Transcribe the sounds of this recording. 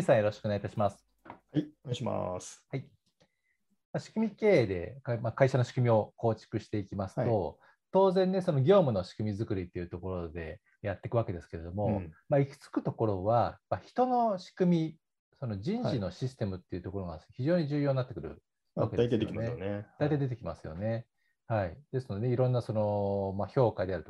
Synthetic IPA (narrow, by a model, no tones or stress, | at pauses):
isãɰ̃jo̞ɾo̞ɕi̥kɯoneɡait̪aɕimasɨ̥ | hiɕima̰shai | maɕi̥kɯ̟mʲike̞ːd̪e̞̰kmakaiɕano̞ɕi̥kɯ̟mʲio̞ko̞ːt͡ɕi̥kɯ̟ɕi̥t̪e̞ikʲimasɨ̥o̞ | t̪o̞ːzẽ̞nːeso̞no̞ɡʲo̞ːmɯ̟no̞ɕi̥kɯ̟mʲizɨkɯ̟ɾʲit̪ːe̞iɯ̟t̪o̞ko̞ɾo̞d̪e̞ | jat̪ːe̞kɯβake̞d̪e̞sɨ̥ke̞ɾe̞d̪o̞mo̞maiki̥t͡sɨ̥kɯ̟t̪o̞ko̞ɾo̞βamaçi̥t̪o̞no̞ɕi̥kɯ̟mʲi | so̞no̞d͡ʑĩɲʑino̞ɕisɨ̥t̪e̞mɯ̟t̪ːe̞iɯ̟t̪o̞koɾo̞ŋaçiʑo̞ːɲ̟iʑɨːjo̞ːnat̪ːe̞kɯ̟ɾɯ̰ | βakemeaijt̪aid̪et̪ekʲima̰sɨjo̞̰ne̞ | haid̪̥e̞sɨnod̪eeiɾõ̞nːaso̞no̞maço̞ːkad̪e̞aɾɯ̟t̪o